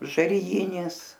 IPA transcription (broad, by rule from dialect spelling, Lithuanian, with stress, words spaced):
ʒɐrʲɪˈjɪnʲɪs